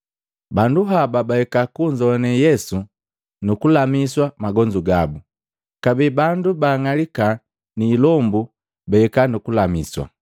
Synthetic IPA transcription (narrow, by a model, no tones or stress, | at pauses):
banduɦababahɛkakuɲd͡ʒɔanɛjɛsu | nukulamiswamaɡɔɲd͡ʒuɡabu | kabibandubaːŋalika | niːlɔmbu | baɛkanukulamiswa̰